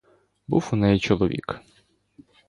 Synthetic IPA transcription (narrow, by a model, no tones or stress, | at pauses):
buwunɛjit͡ʃɔlˠɔʋʲḭk